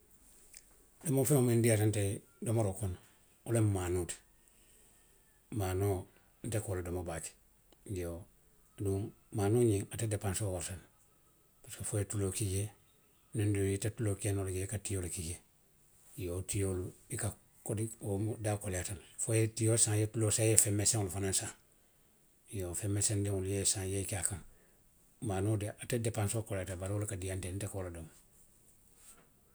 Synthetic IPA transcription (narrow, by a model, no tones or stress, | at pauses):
lemofemomendiatante | domoɾokon | olemmanuːt | maːno | n̩tekolodomobat͡ʃ | ɡijo | duːŋ | maːnoːɲiŋatedepansowaɾsan | paskefojetulokije | nendujitatulokeːnoleɡekatijolukiɟe | jotijoluika | kodiomudakoletanfojetijosãŋjetuloːsajefemːesẽŋulufanansã | jofemːesendiŋuljesãjeikakaŋ | maːnodeʔatedepãnsokoletabaɾolukadijantenitekoladom